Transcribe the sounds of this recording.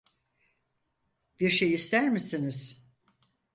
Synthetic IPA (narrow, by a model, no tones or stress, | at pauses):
b̥iɾʃejist̪ʰæɾmisiniz̥